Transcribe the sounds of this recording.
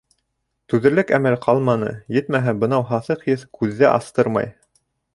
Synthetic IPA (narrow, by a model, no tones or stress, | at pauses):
t̪ʉðɘ̆ɾlɘkæmɘlqʰɑlˠmɑnɤ̰jɘt̪mæɦæbɤ̆nɑwɦɑθɤqjɘθkʉðːæʔɑst̪ɤɾmɑ̰j